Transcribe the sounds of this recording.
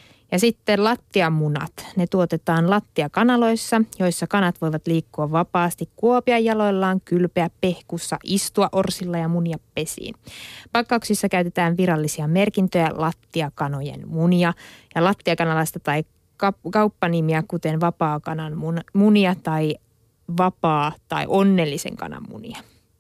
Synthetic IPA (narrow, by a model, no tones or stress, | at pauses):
jɑsit̪ːelɑt̪ːiɑmːunɑ̰t̪ne̞t̪uot̪e̞t̪ɑːnlɑt̪ːiɑkɑnɑlo̞jsːɑjo̞jsːɑkɑnɑt̪ʋo̞jʋɑt̪liːkːuɑʋʋɑpɑːst̪ikkuopiɑjːɑlo̞jlːɑːŋkylpeæppe̞hkusːɑ̰ʔist̪uɑʔo̞rsilːɑjɑmuniɑppe̞sḭːnpɑkːɑuksisːɑkæyt̪e̞t̪æːnʋiɾɑlːisiɑme̞rkint̪øjælɑt̪ːiɑkɑno̞jḛnmuniɑjɑlɑt̪ːiɑkɑnɑlɑst̪ɑt̪ɑi | kɑkɑwpːɑnimiækut̪e̞nʋɑpɑːkɑnɑnunmuniɑt̪ɑj | ʋɑpɑːt̪ɑ̰iʔo̞nːelːisḛŋkɑ̰nɑ̰mːṵnḭɑ